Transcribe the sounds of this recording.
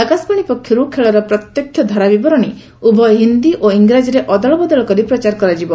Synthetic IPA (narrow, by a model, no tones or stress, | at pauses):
akasbaɽ̃ipɔkʰjɔɾukʰeɭɔɾɔpɾɔt̪jɔkʰjɔd̪ʱɔɾabibɔɾɔɽ̃i | ubʱɔjɦind̪iʔoiŋɡɾad͡ʒɔɾeʔɔd̪ɔɭɔbɔd̪ɔɭɔkɔɾipɾɔt͡ʃaɾkɔɾad͡ʒibɔ